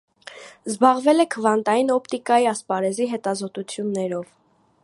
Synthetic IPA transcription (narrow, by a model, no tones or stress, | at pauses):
zbɑʁvɛlɛkʰəvɑnt̪ɑjinɔpʰt̪ikɑjiɑspɑɾɛziɦɛt̪ɑzɔt̪ut͡sʰjunːɛɾɔv